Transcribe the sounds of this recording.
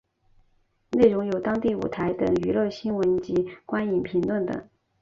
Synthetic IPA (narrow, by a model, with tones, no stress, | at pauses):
ne˥˩ɪɻʊ˧˥ŋjo˨˩ʊt̪ɑ˥ŋt̪i˥˩ṵ˨˩t̪ʰa˧˥ɪt̪ɤ˨˩ŋy˧˥lɤ˥˩ɕi˥nwə˧˥nt͡ɕi˧˥kwa˥ni˨˩npʰi˧˥ŋlwə˥˩nt̪ə̰˨˩˦ŋ